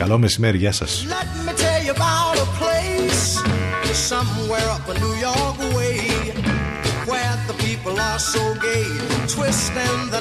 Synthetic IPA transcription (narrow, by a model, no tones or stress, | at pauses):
kɐlomesimeɾiʝɐsɐ̰slɛt̚mitʰɛlˠjɨəbaʊʊɾəpʰl̥eɪsɨ̥sʌ̃mwɛɹʌpənujɔɹkweɪ | wɛðəpʰipl̩ˠə˞soʊɡeɪ | tʰw̥ɪstɪ̃nðə